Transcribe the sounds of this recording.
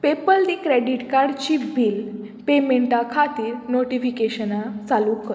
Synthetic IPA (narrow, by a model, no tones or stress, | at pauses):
pepəld̪ikɾeɖiʈkaɾɖt͡ɕiːfbʱiːl | pemeɳʈakʰat̪iːɾnoʈifikeɕənat͡salukəɾ